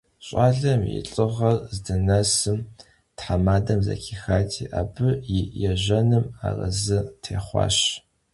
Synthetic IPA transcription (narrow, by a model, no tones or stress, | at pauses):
ɕʼaːɮɐmjḭɬʼɨʁɐrzdɨnɐsɨm | tħamaːdɐmzɐ̰kʰiːxaːtʰiːʔaːbɨjɪjɛʑʷɐnɨma̰ːrɐ̰zɨtʰeːχʷɑ̰ːɕ